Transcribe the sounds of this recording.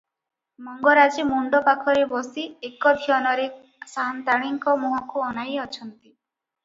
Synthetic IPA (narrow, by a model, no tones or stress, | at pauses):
mɔŋɡɔɾad͡ʒimuɳɖɔpakʰɔɾebɔsiekɔd̪ʱjɔnɔɾe | saɦant̪aɽ̃iŋkɔmuɦɔkuɔnajɔt͡ʃʰɔnt̪i